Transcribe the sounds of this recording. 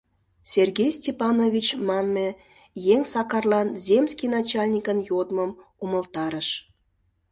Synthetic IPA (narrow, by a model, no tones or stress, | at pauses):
sʲerɡʲejsʲtʲepɑnovʲit͡ɕmɑnmʲe | jeŋsɑkɑrlˠɑnzʲemʲsʲkʲijnɑt͡ɕɑlʲnʲikənjod̪məmuməlˠt̪ɑɾəʃ